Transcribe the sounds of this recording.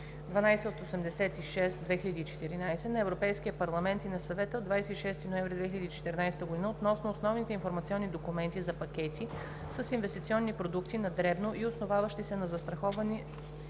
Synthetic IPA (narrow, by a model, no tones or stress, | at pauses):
d̪vɐnajsɛot̪osɛmd̪ɛsɛt̪iʃɛst̪d̪vɛxilʲɐd̪iːt͡ʃɛ̥t̪iɾinajsɛnɐɛvɾopɛjskiəpɐɾlˠɐmɛnt̪inɐsɐvɛt̪əod̪vajsɛiʃɛst̪inoɛmvɾid̪vɛxilɐd̪iːt͡ʃɛ̥t̪ɛɾnajsɛ̥t̪əɡoʊd̪inəot̪nɔsnoːsnɔvnit̪ɛinfoɾmɐt̪siɔnːid̪okumɛnt̪izɐpɐkɛt̪i | səsinvɛst̪it̪siɔnːipɾod̪ukt̪inɐd̪ɾɛbnoʔiosnovavəʃt̪isɛnɐzɐst̪ɾɐxɔvɐni